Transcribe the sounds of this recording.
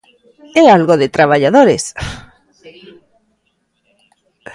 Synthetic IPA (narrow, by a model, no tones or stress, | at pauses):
ealɣoðet̪ɾaβaʎaðoɾes